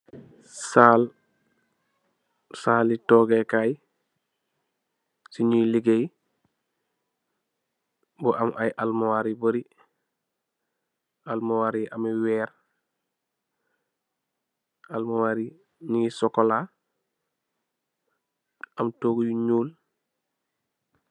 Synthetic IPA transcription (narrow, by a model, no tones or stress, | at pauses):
saːl | saːlitɔːɡekaːj | siɲujliɡej | buʔamʔajʔalmowaɾiboɾi | almowaːɾiʔamiwɛːɾ | almuwaːɾi | ɲiŋisɔkola | amtoːɡujuɲuːl